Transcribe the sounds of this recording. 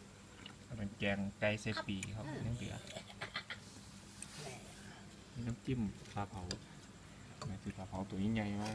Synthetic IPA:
a˧˩ma˧˩nkɛː˧˩ŋka˧˩jse˧˩ppːiː˨˩kʰa˧˩wnɯ˧˥˨ŋdḭ˨˦ɐ̰˦ | mi˧˨na˧˥˨mt̪i˧˥˨mpʰaː˧˩pʰa˧˦w | ma˧˩t̪ʰɯː˧˩pʰaː˧˩pʰa˨˦wt̪u˨˧˨ɲiː˧˨ɲa˧˩jaː˧

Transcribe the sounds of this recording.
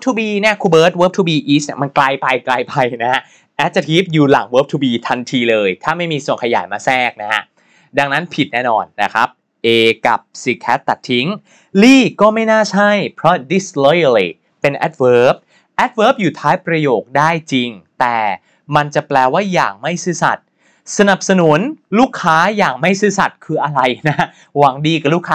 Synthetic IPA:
wpt̪ʰuː˧biː˧ni˥˩ɐkʰuː˧bɤː˦˥t̪̚wəː˦˥p̚t̪ʰuː˧biː˧ʔiː˦˥s̚ni˥˩ma˧nkla˧jpa˧jkla˧jpa˧jna˦˥a˥ | ʔɛ˦˥t̪̚sa˧t̪ʰiː˦˥p̚juː˨˩la̰˩˦ŋwəː˦˥p̚t̪ʰuː˧biː˧t̪ʰa˧nt̪ʰiː˧lɤː˧jt̪ʰaː˥˩ma˥˩jmiː˧su˨˩ənkʰa˧jaː˩˦jmaː˧sɛː˥˩k̚na˦˥ha˦˥ | da˧ŋna˦˥npʰi˨˩t̪̚nɛː˥˩nɔ̰ː˧nːa˦˥kʰɾa˦˥p̚ | ʔeː˧ka̰˨˩p̚si˨˩kʰɛː˦˥t̪ːa˨˩t̪ʰːi˦˥ŋ | liː˥˩kɔː˥˩ma˥˩jnaː˥˩t͡ɕʰa˥˩jpʰɾɔ˦˥di˨˦˥slo˦˥ja˧li˧˩ | pe˧nʔɛ˦˥t̪̚wɤː˦˥p̚ | ʔɛ˦˥t̪̚wɤː˦˥p̚juː˨˩t̪ʰaː˦˥jpɾa˧joː˨˩k̚daː˥˩jt͡ɕi˧ŋt̪ɛː˨˩ | ma˧nt͡ɕa˨˩plɛː˧waː˥˩jaː˨˩ŋma˥˩jsɯː˦˥sa̰˨˩t̪̚ | sa˧na˨˩p̚sa˧nu˩˦nluː˥˩kʰːaː˦˥jaː˨˩ŋma˥˩jsɯː˦˥sa˨˩t̪̚kʰɯː˧ʔa˧ɾa˧jna˦˥ | waː˩˦ŋdiː˧ka˨˩luː˥˩kʰːaː˦˥

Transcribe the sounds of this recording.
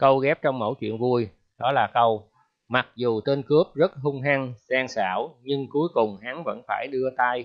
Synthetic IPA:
kə˧wɣɛ˦˥p̚t͡ɕɔ˧wŋ͡mmo̰˧˥˩jt͡ɕwḭ˧˨ənvu˧j | ɗɔ˨˦laː˨˩kə˧w | ma˨˩k̚zu˨˩t̪e˧nkɨ˦˥əp̚zə˦˥t̚hʊ˧ŋ͡mɦa˧ŋzaː˧ŋsa̰ː˧˩wɲɨ˧ŋku˨˦jkʊ˨˩ŋ͡mɦa˨˦ŋvə̰˧˥nfaː˧˩jɗɨ˧ət̪a˧j

